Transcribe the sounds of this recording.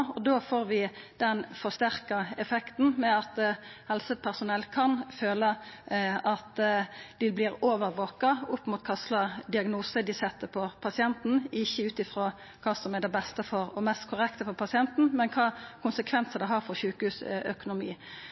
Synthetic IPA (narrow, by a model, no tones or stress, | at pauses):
ɔd̪oːfoːɾʋɪ | d̪̥ɛnfɔst̪æʁkɑɛfɛkt̪n̩mɛɑt̪hɛlsəpʰæʁsʊnɛlːkʰɑnføːləʔɑt̪d̪̥ɪblɪɾoːʋəɾʋokɑʊpːmuːt̪̚kʰɑslɑd̪ɪɑɡnuːsəd̪ɪsɛt̪ːəpʰɔpʰɑsɪɛnt̪n̩ɪçːəʉːt̪ɪfɾoː | kʰɑːsɔmɛd̪ɛbɛst̪əfɔɾɔmɛst̪kʰʊɾɛkt̪əfɔpʰɑsɪɛnt̪n̩mɛnkʰɑːkʰʊnsəkʰʋɛnsəd̪ɛɦɑɾfɔɾçʉːkəhʉːsœ̰kʊnʊmiː